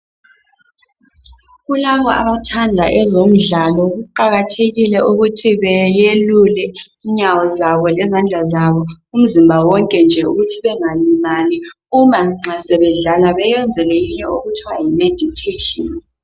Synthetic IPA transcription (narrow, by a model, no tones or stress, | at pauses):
ɣulaβɔa̰βatʰandʱaʔɛzom̩ɮalɔɣuǃaɣatʰeɣilɛʔuɣutʰiβɛjelulɛiɲawɔzaβɔlɛzand͡ɮʱazaβɔ | um̩zimbʱawɔŋkʼɛnd͡ʒʱɛuɣutʰiβɛŋalimani | umaŋ͡ǀasɛβɛɮalaβɛjɛnd͡zʱɛlɛjiɲɛoɣutʰiwajimed̥ʱitʰetʼɔn